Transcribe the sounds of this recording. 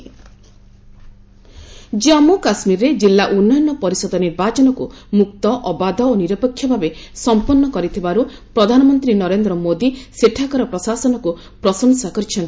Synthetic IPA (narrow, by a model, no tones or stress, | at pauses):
d͡ʒeɔmukasmiɾɾed͡ʒilːaʔunːɔjɔnːɔpɔɾisɔd̪ɔniɾbat͡ʃɔnɔkumuk̚t̪ɔʔɔbad̪ʱɔoniɾɔpɔkʰjɔbʱabesɔmpɔnːɔkɔɾit̪ʰibaɾupɾɔd̪ʱanɔmɔnt̪ɾinɔɾend̪ɾɔmod̪iseʈʰakɔɾɔpɾɔsasɔnɔku | pɾɔsɔŋsakɔɾit͡ʃʰɔn